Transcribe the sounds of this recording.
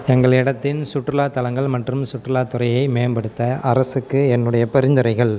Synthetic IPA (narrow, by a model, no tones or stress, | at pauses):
ɛŋɡɐɭɪɽɐt̪ːɪnsʊʈrɯlaːt̪ːɐlɐŋɡɐɭmɐʈrɯmsʊʈːrɯlaːt̪ːɯɾɐjɐɪmeːmbɐɽɯt̪ːɐʔɐɾɐsɯkːɯɛnːɯɽɐjɐpɛɾɪnd̪ɯɾɐɪɣɐɭ